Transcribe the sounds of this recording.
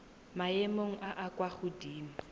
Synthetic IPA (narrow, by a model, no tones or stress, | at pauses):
maemoŋ̩ʔaʔakʼwaχʊdiːm̩